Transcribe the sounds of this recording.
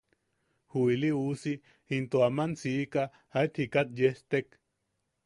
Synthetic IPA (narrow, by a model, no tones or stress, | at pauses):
huiliusi | int̪oamansiːka | ait̪ʰhikat̪̚jest̪ek